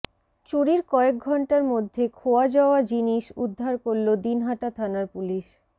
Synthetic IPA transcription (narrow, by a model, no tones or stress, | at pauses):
t͡ɕuɽiɾkɔek̚ɡʱɔɳʈaɾmod̪ʱːekʰoad͡ʑaoad͡ʑiniʃud̪ʱːaɾkoɾlod̪inɦaʈat̪ʰanaɾpuliʃ